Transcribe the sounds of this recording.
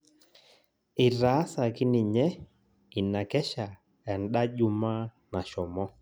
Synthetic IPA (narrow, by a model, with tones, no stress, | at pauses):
ɪ˨ɾa˨˦sa˨kɪ˦nɪ˨ɲɛ˦ | i˨na˨kɛ˦ʃa˨ | ɛ˨nɗa˦ʄʊ˨ma˦ | na˨ʃɔ˨mɔ˦